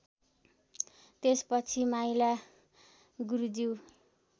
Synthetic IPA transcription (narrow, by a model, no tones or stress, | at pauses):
t̪espʌt͡sʰimajla | ɡuɾud͡ziw